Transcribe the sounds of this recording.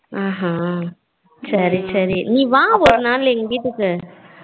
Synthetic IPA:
ãːɦãː | sɐɾisɐɾiniːʋãːɔɾɯnaːlɛŋɡɐɽiʈːɯkːɯ

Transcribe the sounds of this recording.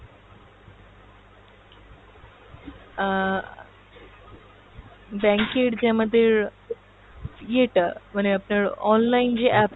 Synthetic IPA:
bɛ̃ŋkeʈd͡ʑaməd̪ʱːiɾ | jeʈməneəpnəɾɔnlaind͡ʑiʔæp

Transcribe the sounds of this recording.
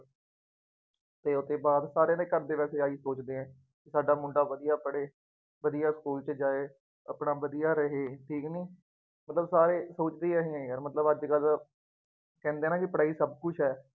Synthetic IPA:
t̪eːʊt̪ʰeːbaːd̪saːɾeːleːkəɾd̪eːʋɛːseːaːiːsoːt͡ʃd̪eːɦɛ̃ː | kɪsaːɖaːmʊɳɖaːʋəd̪ijaːpəɽeː | ʋəd̪ijaːskuːlt͡ʃəd͡ʒaːeː | əpɳaːʋəd̪ijaːɾəɦeːʈʰiːkniː | mət̪ləbsaːɾeːsoːt͡ʃd̪eːɛɦẽɛ̃jəɾmət̪ləbəd͡ʒɡəl | kɛ̃ːnd̪eːnãːkɪpəɽaːiːsəb̚kʊt͡ʃʰɦɛː

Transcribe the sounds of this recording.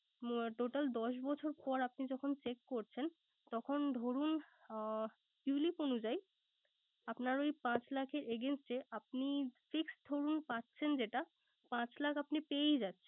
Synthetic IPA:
ʈoʈald̪ɔʃbɔt͡ɕʰoɾpɔɾapnid͡ʑɔkʰont͡ɕekːoɾt͡ɕʰen | t̪ɔkʰond̪ʱoɾun | uliponud͡ʑaj | apnaɾojpãt͡ɕlakʰeɾeɡensʈeʔap̚nifiksd̪ʱoɾunpatːt͡ɕʰend͡ʑeʈa | pãt͡ɕlakʰapnipejd͡ʑatːɕʰen

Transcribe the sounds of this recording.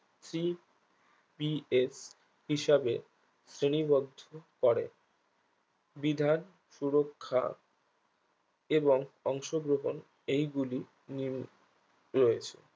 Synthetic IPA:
sɾi | bies | hiʃabe | sɾenibɔd̪ʱokɔɾḛ | bid̪ʱan | ʃuɾokʰːa̰ | eboŋɔŋʃoɡɾoɦon | ejɡuli | nim | ɾojet͡ɕʰḛ

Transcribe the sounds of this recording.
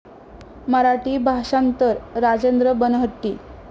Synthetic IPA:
məɾaʈiːbʱaɕant̪əɾɾad͡ʑend̪ɾəbənɦəʈ̪ːiː

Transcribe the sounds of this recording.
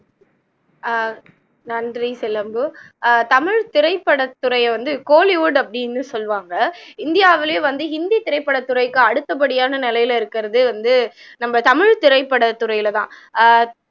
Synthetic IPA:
nɐndrisɪlɐmbɯt̪ɐmɪɻt̪ɪɾɐɪpːɐɽɐt̪ːʊɾɐjɛʋɐnd̪ɯkoːliʋuːɖɐpːɐɽɪnːɯsɔlʋaːŋɡɐɪnd̪ɪjaːʋɪleʋɐnd̪ɯɦɪnd̪it̪ɪɾɐɪpːɐɽɐt̪ːʊɾɐɪkːɯɐɽɯt̪ːɐp̬ɐɽɪjaːnɐnɪlɐjɪlɪɾɯkːɪɾɐðɯʋɐnd̪ɯ | nɐmbɐt̪ɐmɪɻt̪ɪɾɐɪpːɐɽɐt̪ːʊɾɐɪjɪlɐt̪ãː

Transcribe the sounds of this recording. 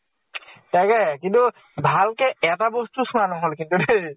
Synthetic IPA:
t̪akɛkint̪u | bʱalkeɛʈabost̪uʃunanɔmɦolekint̪uɖe

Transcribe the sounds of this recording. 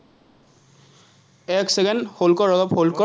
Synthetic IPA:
ɛksɛɡɛnholkɔɹɔɡɔpholkɔ

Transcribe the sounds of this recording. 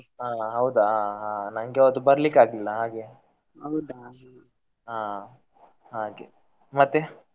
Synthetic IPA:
ɦaːɦɐwd̪ɐɦaːɦãːnɐŋɡeɐd̪ubɐɾɐlikːaːɡilːɐɦaːɡe̞ | ɦɐwd̪ | ɦãː | ɦaːɡḛ | mɐt̪ːe

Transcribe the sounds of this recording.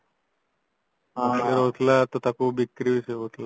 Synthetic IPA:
ɡəɾɦot̪lat̪ot̪akubikɾiʋiseɦot̪la

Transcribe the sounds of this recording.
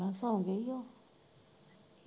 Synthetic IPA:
asãũŋɡejɔ

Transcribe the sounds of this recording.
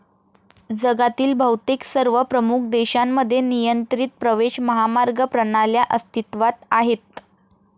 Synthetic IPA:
d͡zəɡat̪iːlbʱəwt̪iksəɾʋəpɾəmuk̚ʰd̪eɕamːəd̪ʱːjenijənt̪ɾiːt̪̚pɾəʋeɕməɦamaɾɡəpɾəɽ̃aljaʔəst̪ʰit̪ʋat̪aɦet̪̚

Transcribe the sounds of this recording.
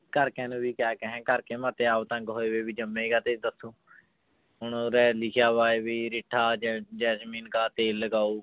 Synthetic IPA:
kəɾkɛ̃ːnũːbiːkjaːkəɦɛ̃ːkəɾkeːmaːt̪eːaːpt̪ə̃ŋkɦoːeːʋeːbiːd͡ʒəmːẽːɡaːt̪eːd̪əsõː | ɦʊnːɾɛːlɪkʰjaːʋaːeːʋiːɾɪʈʰːaːd͡ʒɛːsmĩːnkaːt̪eːlːəɡaːuː

